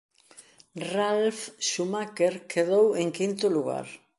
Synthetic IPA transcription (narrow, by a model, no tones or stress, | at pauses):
ralfʃumakeɾkʰeðoweŋkint̪ʊluɣa̰ɾ